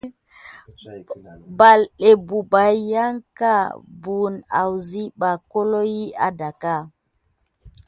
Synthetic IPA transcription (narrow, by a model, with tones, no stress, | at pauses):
ba˨le˨bu˨ba˨ja˦ŋka˦˨bu˨na̰˨wzi˦ɓa˨ko˦lo˦ji˦a̰˦da˨ka˦˨